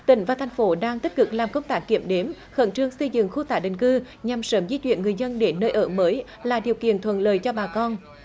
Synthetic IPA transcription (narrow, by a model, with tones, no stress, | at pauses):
t̪ï˧˩˦ŋ̟vaː˨˩t̪ʰjŋ̟fo˨˦ɗaː˧ŋt̪i˦˥k̟̚kɨ˨˩k̚laː˨˩mkə˧wŋ͡mt̪aː˦˥kːi˧˩əmɗe˨˦m | xə̰˧˥nt͡ɕɨ˧əŋsə˧jzɨ̰˧˨ŋxu˧t̪aː˧˩ɗï˨˩ŋ̟kɨ˧ | ɲa˨˩msəː˨˦mzi˧t͡ɕwḭ˧˨ənŋɨ˨˩əjzə˧nɗe˨˦nnəː˧jʔəː˧˩məː˨˦j | laː˨˩ɗi˨˩əwkḭ˧˨ənt̪ʰwə̰˧˨nləː˨jt͡ɕɔ˧ɓaː˨˩kɔ˧n